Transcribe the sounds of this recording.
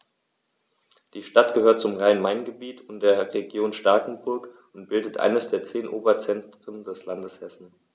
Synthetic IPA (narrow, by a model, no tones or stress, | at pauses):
d̥iːʃtatɡ̥əhøːɐt̚t͡sʊmʁaɪnmaɪnɡəbiːtʰʊnd̥eːɐʁeɡjoːnʃtaɐkŋ̩bʊɐk | ʊntb̥ɪldətʔa̰ɪnəsd̥eːɐt͡seːnʔoːbɐt͡sɛntʁ̥əndɛslandəshɛsn̩